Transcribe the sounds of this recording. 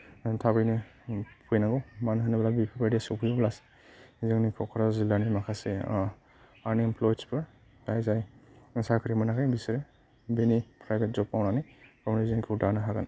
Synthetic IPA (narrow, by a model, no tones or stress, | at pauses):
tʰabɯjnɯpʰujnaɡɔwmanɦaniblabipʰibadiasupʰujblase̥ | ziŋnikʰɔkʰɔɾazilanimakʰase | aniɛmpʰlɔjdspɯɹ | tajzajsakʰɯɾimanakʰajbisiɾe | benipʰɾajbet̚zɔppawnanajkɔmnizinkʰɯudanaɦaɡan